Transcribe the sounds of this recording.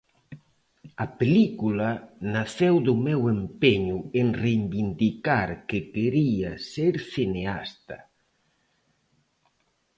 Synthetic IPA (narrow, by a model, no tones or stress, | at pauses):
ɐpelikulɐnaθewðʊmɛwempeɲʊeŋrejmbind̪ikaɾkɪkeɾiaseɾθinea̰st̪ɐ̰